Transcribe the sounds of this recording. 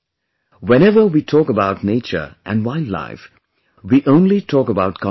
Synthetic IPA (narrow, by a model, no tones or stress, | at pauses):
wɛ̃ñɛvə˞witʰɔːkəbaʊtⁿneɪt͡ʃə̰˞ʔɨ̰̃nwaɪlla̰ɪf | wiʔõʊ̃nlitʰɔkəbaʊt̚kʰɔ̃